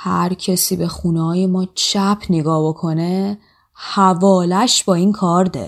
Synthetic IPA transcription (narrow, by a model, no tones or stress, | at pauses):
hæ̰ɾcʰesiːbe̞xuːneɒːjemɒːt͡ʃʰæpʰneɡɒːhbo̞kʰo̞ne | hævɒːlæʃb̥ɒːinkʰɒːɾd̪ḛ